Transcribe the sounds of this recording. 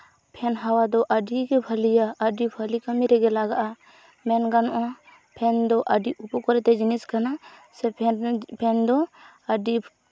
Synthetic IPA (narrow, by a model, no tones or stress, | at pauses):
pʰɛnɦawad̪ɔʔəɖiɡɛbʱəlijaʔəɖibʱəlikəmiɾɛɡɛlaɡaʔa | mɛnɡanʔã | pʰɛnd̪ɔʔəɖiʔupukɔɾɛt̪ɛd͡ʒiniskanasɛpʰɛnd̪ɔ | əɖi